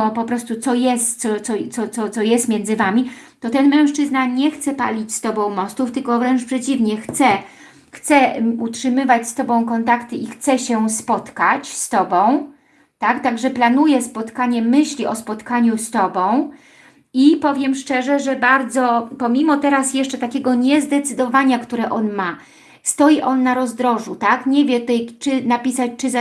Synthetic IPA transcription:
ɔpɔpɾɔst̪ut̪sɔjɛst̪sɔt̪sɔsɔt̪sɔt̪sɔjɛst̪mʲjɛndzɘvamʲit̪ɔt̪ɛnmɛ̃w̃ʂt͡ʂɘznaɲɛxt̪sɛpa̰lʲit͡ɕst̪ɔbɔ̃w̃mɔst̪uft̪ɘlkɔvɾɛnt͡ʂpʂɛt͡ɕivɲɛxt̪sɛ | xt̪sɛutʂɘmɘvat͡ɕst̪ɔbɔ̃w̃kɔnt̪akt̪ɘixt̪sɛɕɛspɔt̪kat͡ɕst̪ɔbɔ̃w̃ | t̪akt̪aɡʐɛplanujɛspɔt̪kaɲɛmɘɕlʲiʔɔspɔt̪kaɲust̪ɔbɔ̃w̃ | ipɔvʲjɛmʂt͡ʂɛʐɛʐɛbaɾd̪zɔpɔmʲimɔt̪ɛɾasjɛʂt͡ʂɛt̪akʲɛɡɔɲɛzd̪ɛt̪sɘd̪ɔvaɲakt̪uɾɛʔɔnma | st̪ɔjiʔɔnːaɾɔzd̪ɾɔʐut̪akɲɛvʲjɛt̪ɛjt͡ʂɘnapʲisat͡ɕt͡ʂɘz

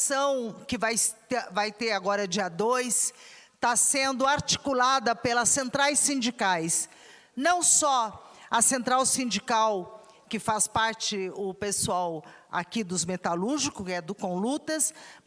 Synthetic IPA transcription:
sɐ̃w̃kɪvajt̪vajt̪eɾaɡɔɾɐd͡ʒiɐd̪ojst̪asẽnd̪ʊaɾt͡ʃi̥kulad̪ɐpelɐsẽnt̪ɾajsĩnd͡ʒikajs | nɐ̃w̃sɔɐsẽnt̪ɾawsĩnd͡ʒikaw | kɪfaspaɾt͡ʃɪʊpesuawa̰kid̪ʊzmet̪aluɾʒikʊkɪɛd̪ʊkõlut̪ɐs

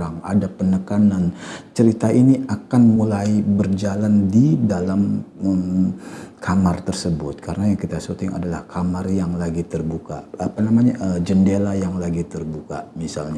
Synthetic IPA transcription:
aŋa̰dapənəkanant͡ʃəɾit̪aʔiniakanmulajbərd͡ʒalandidalaməm | kʰamart̪ərsəbʊt̪̚kʰaɾənajaŋkit̪asut̪ɪŋa̰dala̰hkʰamarjaŋlaɡit̪ərbuka̰apanamaɲaʔəd͡ʒəndelajaŋlaɡit̪ərbuka̰misa̰lɲa

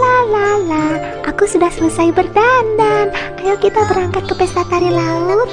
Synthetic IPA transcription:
lalahlah | ʔakusudahsələsajbərdandankajakit̪abəɾaŋkat̪̚kəpesat̪aɾilalu

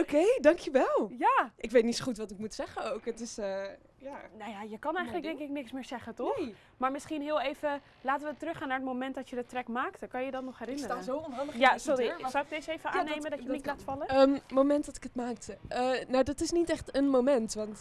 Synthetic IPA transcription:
okejdɑŋkʰjəʋɛlˠjaʔɪkʋejtnitsoxutʋɑtɪk̚mutsɛχəowkɦətɪsə | janojajəkɑnɛjəntləkdɛŋkɪk̚nɪksmɪːɹsɛχətɔ | maːɹmɪsχinɦɪəlˠejvə | laːtəʋətrɵxaːnːaːɹətmomɛntdɔtjədətrɛkmaːktkɑnjədɔtnɔχhɛɾɪnərəoonɦɑnəjasoɾisɔwɪk̚dɪsejvəaːnejmədɔjənilatfɑləmmowmɛntdɔtɪ̥kətmaːktənawdɑtɪsnitɛχtənmowmɛntʋɑnt

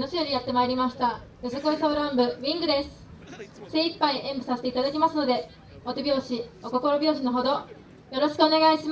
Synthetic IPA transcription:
noɕijo̞ɾʲijat̪ːe̞maeɾʲimaɕi̥t̪ajozekoisoːɾãmbɯ̟βʲĩŋɡɯ̟d̪e̞sɨ̥ | se̞ːipːaiʔẽ̞mbɯ̟saset̪eit̪ad̪akʲimasɨno̞d̪e̞ | ot̪ebʲjo̞ːɕioko̞ko̞ɾo̞bʲjo̞ːɕ̬ino̞ɦo̞d̪o̞ | jo̞ɾo̞ɕi̥kɯo̞ne̞ɡaiɕim

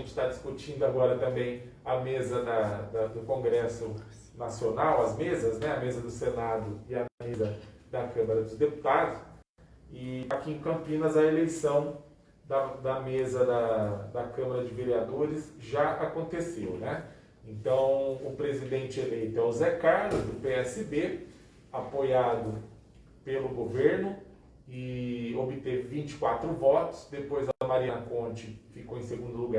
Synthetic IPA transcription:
ʒẽt͡ʃɪ̥t̪ad͡ʒɪskut͡ʃĩnd̪ʊaɡɔɾɐt̪ɐ̃mbẽj̃ | ɐmezɐd̪ɐd̪ɐd̪ʊkõɡɾɛsʊ | nasionawɐzmezɐznɛɐmezɐd̪ʊsenad̪ʊɪɐmezɐd̪ɐkɐ̃mɐɾɐd̪ʊzd̪epu̥t̪ad̪ʊs | ɪakiẽkɐ̃pĩnɐzɐelejsɐ̃w̃ | d̪ɐd̪ɐmezɐd̪ɐd̪ɐkɐ̃mɐɾɐd͡ʒɪveɾiad̪oɾɪsʒaakõnt̪esewnɛ | ẽnt̪ɐ̃w̃ʊpɾezid̪ẽnt͡ʃɪelejt̪ʊɛwzɛkaɾlʊzd̪ʊpeɛsɪb̪e | apojad̪ʊ | pelʊɡoveɾnʊ | ɪobɪt̪evɪvĩnt͡ʃɪ̥kwat̪ɾʊvɔt̪ʊ̥sd̪epojzɐɐmaɾiɐ̃nɐkõt͡ʃɪfikowẽj̃seɡũnd̪ʊluɡa

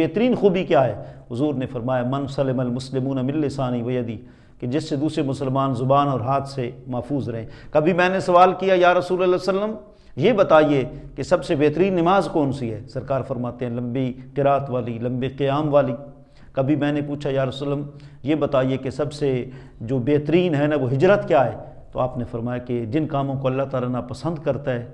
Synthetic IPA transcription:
eɦt̪əɾiːnxuːbikjaːɦɛːɦʊzuːɾnefɐɾmaːjamɐnsɐlːɪmɐlmʊslɪmuːnamɪlːesaːniʋɐjəd̪iː | ked͡ʒɪsːed̪uːsɾemʊsəlmaːnzʊbaːnɔːɾɦaːt̪ʰsemɐːfuːzɾɐɦẽːkɐbʱimɛ̃ːnesɐʋaːlkijajaːɾɐsuːlɛlɛsəlːəm | jebɐt̪aːiekesɐbsebeːt̪əɾiːnːɪmaːzkɔːnsiɦɛːsɐɾkaːɾfɐɾmaːt̪eɦɛ̃lɐ̃mbiqɪɾaːət̪ʋaːlilɐ̃mbiqɪjaːmʋaːli | kɐbʱimɛ̃ːnepuːt͡ʃʰajaːɾɐsələm | jebɐt̪aːiekesɐbse | d͡ʒoːbeːt̪əɾiːnɦɛnaʋoɦɪd͡ʒɾət̪kjaːɦɛː | t̪oaːpnefɐɾmaːjaked͡ʒɪnkaːmõkoɐlːaɦt̪aːlanapɐsə̃nd̪kɐɾt̪aɦɛː

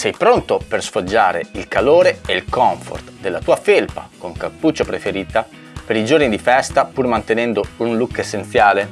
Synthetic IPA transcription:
sɛjpɾont̪opersfod͡ʒːaːɾḛilkaloːɾeeilkɔɱfo̰rt̪d̪elːat̪uːafelpa̰koŋkapːut͡ʃːopɾefeɾiːt̪a | peɾid͡ʒornid̪ifɛst̪apurmant̪enɛnd̪ounlukːesːent̪sjaːle

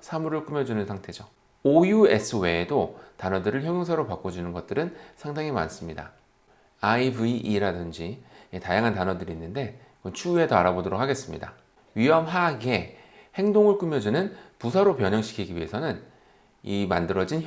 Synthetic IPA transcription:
sʰamuɾɯɭk͈umjʌd͡ʑunɯnsʰaŋtʰe̞d͡ʑo | ojue̞sʰɯwe̞dotanʌdɯɾɯɭçjʌŋjoŋsʰaɾopak͈od͡ʑunɯnɡʌt̚t͈ɯɾɯnsʰaŋdaŋima̰ns͈ɯmɲida̰ | aibɯiʔiɾadɯnd͡ʑietajaŋɦantanʌdɯɾiːnːɯnde̞ | kʌnt͡ɕʰue̞tʌaɾabodoɾok̚ʰaɡe̞s͈ɯmɲida̰ | ɥiʌmɦaɡe̞ | he̞ŋdoŋɯɭk͈umjʌd͡ʑunɯnpusʰaɾopjʌɲʌŋɕʰi̥kʰiɡiɥiɦe̞sʰʌnɯn | imandɯɾʌd͡ʑin

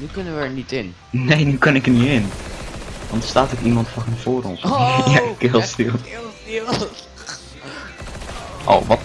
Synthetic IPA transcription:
nykənəʋənitɪn | nejnykɑnɪkəniɪn | ʋɑntə̥staːtokimɑntfɔɦɛnv̥oːɾɔ̰nsjakelˠstilˠ | ʔo̰wʋɑt

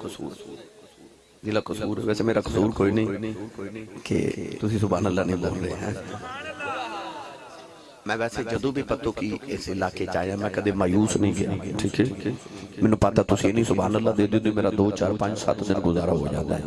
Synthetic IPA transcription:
d̪iːlaːkʊuːɾʋɛːseːmeːɾaːkəsuːɾkoːiːnəĩːkɪ̰t̪ʊsĩːsʊbaːnəlːaːnĩːboːnːd̪eːɦɛ̰̃ː | mɛ̃ːʋɛːseːd͡ʒəd̪õːbiːpət̪õːkɪesɪlaːkeːt͡ʃaːejãːmɛ̃ːkəd̪eːmaːjuːsnəĩːɡeːeʈʰiːkʰɛːmɛ̃ːnũːpət̪aːt̪ʊsĩːeːnĩːsʊbaːnəlːaːd̪eːd̪eoːd̪õːmeːɾaːd̪oːt͡ʃaːɾpə̃ɲd͡ʒsə̰t̪d̪ɪnɡʊzaːɾa̰ːɦo̰ːd͡ʒa̰ːd̪a̰ːɦɛː

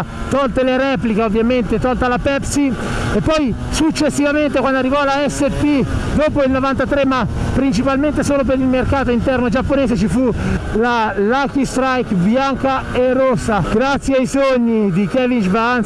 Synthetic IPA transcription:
t̪ɔlt̪eleɾɛːplikeovːjament̪et̪ɔlt̪alapɛpsi | epːɔj | sut͡ʃːesːivament̪ekwand̪oarːivɔlaɛsːepːid̪oːpoilnovant̪at̪ɾemapːɾint͡ʃipalment̪esoːlop̬eɾilmerkaːt̪oint̪ɛrnod͡ʒapːoneːset͡ʃifulalakist̪ɾajkbjaŋkaerːosːaɡɾat̪sːjeajsoɲːid̪ik̟ɛvind͡ʒbaan

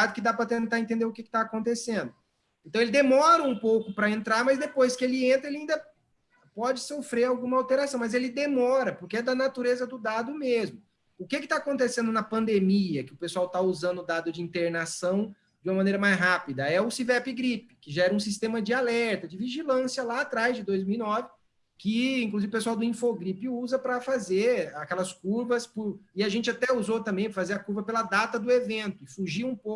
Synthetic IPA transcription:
d̪ʊkɪd̪apɾɐt̪ẽnt̪aɾẽnt̪ẽnd̪eɾʊkɪkɪt̪aːkõnt̪esẽnd̪ʊ | eẽt̪ɐ̃w̃elɪd̪emɔɾɐũpowkʊpɾɐẽnt̪ɾaɾmɐzd̪epojskɪelɪẽnt̪ɾɐelɪaĩnd̪ɐ | pɔd͡ʒɪsofɾeɾawɡũmɐawt̪eɾasɐ̃w̃mɐzelɪd̪emɔɾɐpʊɾkɪɛd̪ɐnat̪uɾezɐd̪ʊd̪ad̪ʊmezmʊ | ʊkɪkɪt̪aːkõnt̪esẽnd̪ʊnɐpɐ̃nd̪emiɐkɪʊpesuawt̪auzɐ̃nd̪ʊd̪ad̪ʊd͡ʒɪĩnt̪eɾnasɐ̃w̃ | d͡ʒũmɐmɐ̃nejɾɐmajzɦapid̪ɐɛʊsivɛpɪɡɾipɪ̥kɪʒaɛɾɐũs̬ist̪ẽmɐd͡ʒɪalɛɾt̪ɐd͡ʒɪviʒilɐ̃sjɐlaːt̪ɾajzd͡ʒɪd̪ojzmiwinɔvɪ | kɪĩŋkluzivʊpesuawd̪ʊĩfoɡɾipɪuzɐpɾɐfazeɾakɛlɐskuɾvɐspʊɾɪaʒẽnt͡ʃɪat̪ɛuzot̪ɐ̃mbẽj̃pɾɐfazeɾɐkuɾvɐpelɐd̪at̪ɐd̪ʊevẽnt̪ʊɪfuʒiɾũpo

